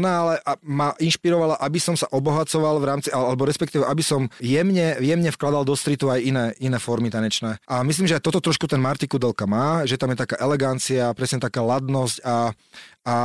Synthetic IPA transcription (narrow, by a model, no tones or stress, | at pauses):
naalɛʔamaʔinʃpiɾɔʋalaʔabisɔmsaʔɔbɔɦat͡sɔʋalˠvɾaːmt͡sialalɛbɔɾɛspɛk̚t̪iːʋɛʔabisɔmjɛmɲɛjɛmɲɛfklad̪ald̪ɔst̪ɾit̪uajinɛːʔinɛːfɔɾmit̪aɲɛt͡ʃnɛːʔamisliːmʒɛajt̪ɔt̪ɔt̪ɾɔʃkut̪ɛnmaɾt̪ikud̪ɛlkamaːʒɛt̪amjɛt̪akaːʔɛlɛɡant͡siapɾɛsɲɛt̪akaːlad̪nɔsca | a